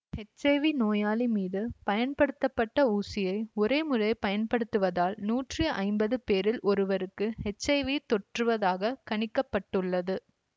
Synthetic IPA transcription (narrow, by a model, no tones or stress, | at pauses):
hɛt͡ʃːɐʋinoːjaːlimiːðɯpɐjɐnpɐɽɯt̪ːɐpːɐʈːɐuːsɪjɐɪɔɾeːmɯrɐɪpɐjɐnpɐɽɯt̪ːɯʋɐðaːlnuːʈriʔɐ̰ɪmbɐðɯpeːɾɪlʔɔɾɯʋɐɾɯkːɯhɛt͡ʃːɐɪʋit̪ɔʈrɯʋɐðaːɣɐkɐɳɪkːɐpːɐʈːɯɭːɐðɯ